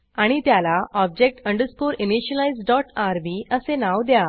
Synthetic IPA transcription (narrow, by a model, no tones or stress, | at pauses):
aɽ̃it̪jalaʔɔb̚d͡ʑek̚ʈə̃ɳɖəskoɾiniɕəlajd͡zɖɔʈaɾʋiəsenaʋd̪ja